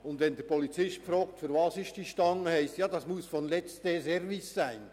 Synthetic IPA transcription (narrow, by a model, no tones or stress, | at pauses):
ʊndvɛnd̪ɛɾpʰɔlit͡sɪʃtfɾoːk̚tfyɾvɑsɪʃtd̥iːʃtɑŋəhæɪstjɑːdɑsmusfɔnlɛt͡stesɛɾvɪsːæɪn